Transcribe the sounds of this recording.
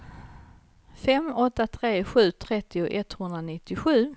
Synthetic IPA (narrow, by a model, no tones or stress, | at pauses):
fɛmɔt̪ːat̪ʰɾeːɧʉ̟ːt̪ʰɾɛt̪ːɪʊʔɛt̪hɵnd̪ɾanɪt̪ːɪɧʉ̟ː